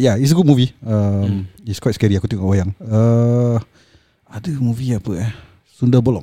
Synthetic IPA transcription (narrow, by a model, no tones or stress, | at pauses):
jais̬ɡut̚muviəmiskwajtskɛɾiakut̪iŋkɔʔwajaŋə | adəmuviapəɛ | sundəbɔlɔ̰ʔ